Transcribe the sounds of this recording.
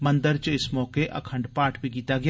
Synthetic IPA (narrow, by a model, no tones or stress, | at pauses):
mɐ̃nd̪əɾt͡ʃɪsmɔːkeʔɐ̰kʰə̃ɳɖpaːʈʰbʱikiːt̪aɡɪjaː